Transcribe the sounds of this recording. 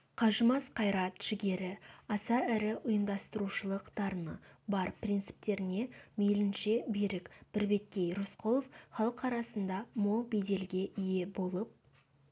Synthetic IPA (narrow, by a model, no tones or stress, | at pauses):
qʰɑʒəmɑsqʰɑjɾɑt̪ʒ̥ɪɡʲe̞ɾɪɑsɑæɾɪʔʊjəmd̪ɑst̪əɾuʃəlˠəqd̪̥ɑɾnəbɑɾpʰrʲint̪sɪ̥p̚t̪e̞ɾɪne̞mejlɪnʃe̞bejɾɪkb̥ɪɾbe̞t̪̚kʲe̞jɾʊsqʰolˠofχɑlˠəqɑɾɑsənd̪ɑmo̞lˠbejd̪e̞lɡʲe̞ʔɪje̞bo̞lˠəp̚